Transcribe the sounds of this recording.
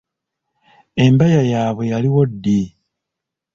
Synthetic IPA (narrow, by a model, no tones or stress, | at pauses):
e̞mbajajaːβwe̞jaliwo̞dːi